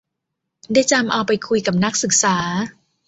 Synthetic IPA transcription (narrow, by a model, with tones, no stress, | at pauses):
daː˥˩jt͡ɕa˧mʔa˧wpa˧jkʰu˧jka˨˩p̚na˦˥k̚sɯ˨˩k̚saː˩˦